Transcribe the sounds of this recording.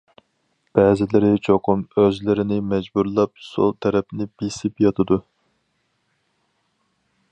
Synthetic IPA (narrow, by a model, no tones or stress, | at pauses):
b̥ɛːzɪlɪɾɪt͡ʃʰoqʰumøzlɪɾɪnɪmɛd͡ʒbuɾlˠɑp̚so̰lˠt̪ʰɛɾɛpnɪb̥isɪpjɑt̪ʰɨd̪u